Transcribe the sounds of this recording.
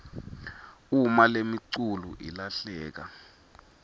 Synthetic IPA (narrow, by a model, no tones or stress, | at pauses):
umalemiǀulṵʔilaɬɛːk̬a̰